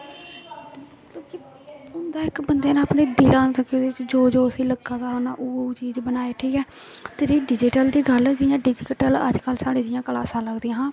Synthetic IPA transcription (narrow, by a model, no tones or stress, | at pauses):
kõːki | ʊnd̪aːɪkbənd̪eːnãːpneːd̪ɪlãːt̪əked̪ɪt͡ʃd͡ʒoːd͡ʒoːəsĩːləɡãːd̪aːonaːʔoːt͡ʃiːd͡ʒbənaːeːʈʰiːkɛː | t̪eɾeːɖɪd͡ʒɪʈəld̪iːɡəld͡ʒɪjãːɖɪd͡ʒɪkʈələ̰d͡ʒkəlsaːɽẽːd͡ʒɪjãːkəlaːsãːləɡd̪eːãːɦãː